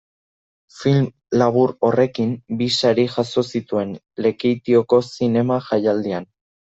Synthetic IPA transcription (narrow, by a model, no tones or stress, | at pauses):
film | laβ̞uɾo̞re̞kimbisaɾiʝaso̞sit̪ue̞n | le̞kit̪io̞ko̞sine̞maʝajald̪ian